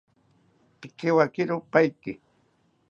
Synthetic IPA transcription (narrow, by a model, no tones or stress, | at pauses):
pɪkɪwakɪɾʊpajkɪ